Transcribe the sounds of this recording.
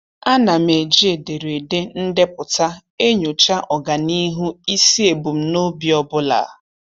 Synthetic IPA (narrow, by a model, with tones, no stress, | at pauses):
a˦na˨me˨d͡ʒi˦e˨de˨ɾe˨de˦n̩˦de˦pʊ˨ta˦e˦ɲo˨t͡ʃa˦ʔɔ˨ɡa˨ni˦ɦu˦i˦si˦e˨bu˨m̩˦no˦bi˨ɔ˦bʊ˦la̰˨˦˨